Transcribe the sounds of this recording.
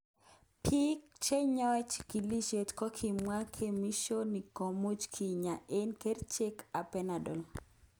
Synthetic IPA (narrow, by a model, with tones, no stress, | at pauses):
pʰi˦kt͡ʃe˦ɲɔ˦t͡ʃki˨li˦ʃe˨tkɔ˦kʰi˨mwa˦kʰe˨mi˦ʃo˦ni˨ko˨mu˦t͡ʃkʰi˨ɲa˨ʔe˦nke˦rt͡ʃe˦ka˨pɛna˨dɔ˨l